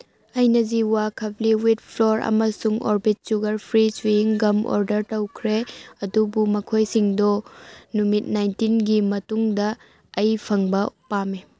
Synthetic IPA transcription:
ɐjnɐziwakʰɐp̚liwit̚pʰloɾɐ̰mɐsuŋo̰ɾbit̚suɡɐɾpʰɾisujiŋɡɐmo̰ɾdɐɾtɐwkʰɾeɐdubumɐkʰojsiŋdɔnumit̚najntinɡimɐtuŋdɐː | jpʰɐŋbɐpame

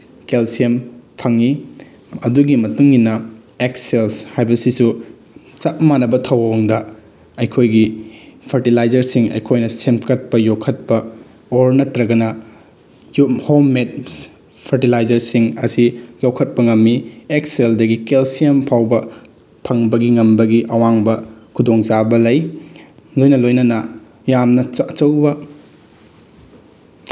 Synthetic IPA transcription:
kelsiempʰɐŋi | ɐduɡimɐtuŋːinɐ | ekselshajbɐsisu | t͡ʃɐt̚manɐbɐtʰɐwɐoŋdɐ | ɐjkʰojɡipʰɐɾtilajd͡ʒɐɾsiŋɐ̰jkʰojnɐsemkɐt̚pɐjowkʰɐt̚pɐ | oɾnɐtɾɐɡɐnɐ | juhomːet̚ | pʰɐɾtilajd͡ʒɐɾsiŋɐsijowkʰɐt̚pɐŋɐmːiekseldɐɡikelsiempʰawbɐ | pʰɐŋbɐɡiŋɐmbɐɡiʔɐwaŋbɐkʰudoŋzabɐlɐj | lojnɐlojnɐnɐ | jamnɐɐt͡ʃɐwbɐ

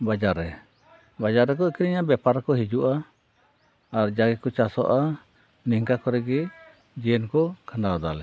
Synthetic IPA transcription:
bad͡ʒaɾɛ | bad͡ʒaɾːɛk̬ɔikiɾiɲabɛpaɾakɔɦid͡ʒuʔa | ɾd͡ʒaɡɛkɔt͡ʃasɔ̰ʔa | niŋkakɔɾɛɡɛ | d͡ʒijɛnkɔkʰanawad̪alɛ

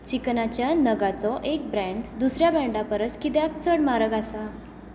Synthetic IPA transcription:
t͡ɕiknat͡ɕjanəɡat͡sɔʔek̚bɾɛ̃ɳɖd̪usɾjabɛ̃ɳɖapəɾət͡skit̪eakt͡sʰəɽmaɾəɡasa

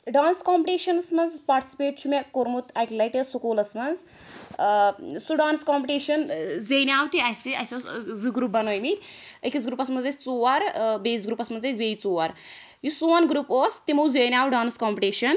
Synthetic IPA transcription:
ɖaːnskɔːmpiʈeːʃɐnɐsmɐnzpaːɾʈi̥si̥peːʈ̚t͡ʃʰumekoɾmut̪ʰajkilɐjʈesukoːlɐsmɐnz | suɖaːnskɔːmpiʈeːʃɐnzejnʲaːwt̪iɐsiɐsʲozɨɡɾuːp̚bɐnoːjmit̪ʲekisɡɾuːpɐsmɐnzesʲt͡soːɐɾbezɡɾuːpɐsmɐnzet͡sʲbeːjit͡soːɐɾ | jusuʋɐnɡɾuːpoːst̪imɐwzejnʲaːwɖaːnskɔːmpiʈeːʃɐn

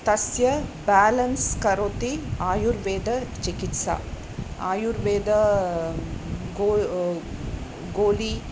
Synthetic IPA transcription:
t̪ɐsjɐbaːlɐnskɐɾot̪iaːjuɾʋeːd̪ɐt͡ʃikit̪sa̰ː | aːjuɾʋeːd̪ɐ | ɡoː | ɡoːli

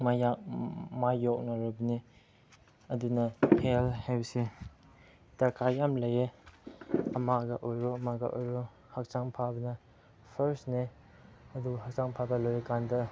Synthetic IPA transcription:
majak̚majɔk̚naɾɔbni | ɐdinɐhelhajbɐse | takajamlɐje | ɐmaɡaʔojɾoɐmaɡa̰ʔojɾo | hak̚t͡ʃaŋpʰabɐnɐ | pʰɐɾsne | ɐduɦak̚t͡ʃaŋpʰabɐlojekandɐ

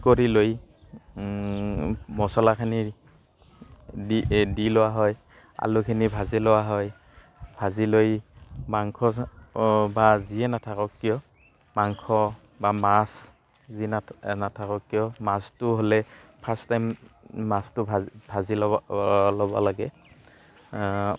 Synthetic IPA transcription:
koɹiloj | mɔsɔlakʰani | idilɔwaɦɔj | a̰lʊkʰinibʱazilɔwaɦɔj | bʱazilojmaŋkʰɔ | baziɛnatʰakɔkːijɔ | maŋkʰɔ | bamas | zinanatʰakɔk̚ːijɔmastʊɦolɛpʰastajmːastʊbʱbʱazi | lɔbɔlaɡɛ̰

